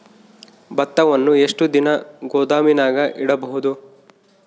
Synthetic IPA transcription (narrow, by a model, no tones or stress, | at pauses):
bɐt̪ːɐʋɐnːue̞ʂʈud̪inɐɡɔːd̪aːminaːɡɐʔiɽɐbɐɦud̪u